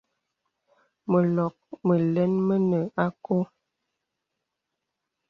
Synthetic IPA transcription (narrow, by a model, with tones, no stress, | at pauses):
mə˨lɔ˨k̚mə˨lɛ˦nmə˦nə˨a˦ko˦